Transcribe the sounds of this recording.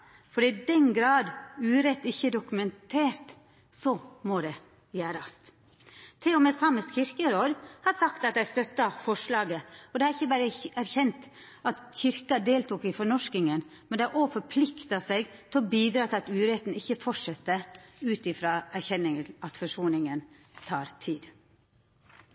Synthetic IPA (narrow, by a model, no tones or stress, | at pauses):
fɔɖɛɪd̪ɛnɡɾɑːd̪ʉːɾɛt̪ːɪçːəɖʊkʉmɛnt̪ʰeːɾt̪ | sɔmɔd̪ɛ | jæːɾɑst̪ | t̪ʰɛɔmɛsɑməsçɪɾkəɾoːd̪hɑɾsɑkt̪ɑt̪̚d̪æst̪œt̪ːɑfɔʂlɑːɡəɔd̪ɛhɑɾɪçːəbæːɾəæɾçɛnt̪ | ɑt̪çɪɾkɑd̪eːlt̪uːkɪfɔɳɔʂkɪŋənmɛnd̪ɛʔofɔɾpʰlɪkt̪ɑsɛɡt̪ʰɪlɔbiːd̪ɾɑːt̪ʰɪlɑt̪ʉːɾɛt̪n̩ɪçːəfɔʂɛt̪ːəʉːt̪ɪfɾɑːæɾçɛnːɪŋənɑt̪fɔʂuːnɪŋən | t̪ʰɑːɾt̪ʰiːd̪